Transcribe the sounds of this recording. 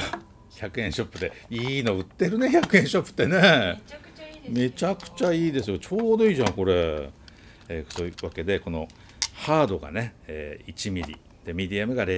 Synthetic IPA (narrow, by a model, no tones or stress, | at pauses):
çakɯ̟ẽ̞ɰ̃ɕo̞pːɯ̟d̪eiːno̞ɯ̟t̪ːe̞ɾɯ̟ne̞çakɯẽɕo̞pːɯ̥t̪ːene̞ | me̞t͡ɕakɯ̟̥t͡ɕaiːd̪e̞sɨjo̞t͡ɕo̞ːd̪o̞iːʑãŋko̞ɾe̞ | soβake̞d̪e̞ko̞no̞̰ | haːd̪o̞ɡa̰ne̞eːit͡ɕimʲiɾʲḭ | d̪̥e̞mʲid̪ʲiamɯ̟ɡaɾe